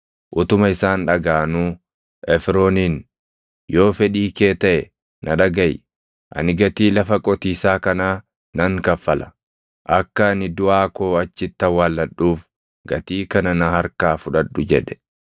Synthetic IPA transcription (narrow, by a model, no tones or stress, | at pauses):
ʔʊt̪ʊmɐɪsaːnᶑɐɡaːnuː | ʔɛfɾoːniːn | jo̞ːfɛᶑiːke̞ːt̪ɐʔɛ | nɐᶑɐɡɐj | ʔɐ̰nɪɡɐt̪iːlɐfɐkʼɔt̪iːsaːkɐnaː | nɐŋkɐfːɐlɐ̥̰ | ʔɐkːɐːnɪd̪ʊaːkoːɐt͡ʃːɪt̪ːɐwaːlːɐɗːuːf | ɡɐt̪iːkɐnɐnɐhɐɾkaːfʊᶑɐᶑːʊd͡ʒɛ̰ᶑɛ̥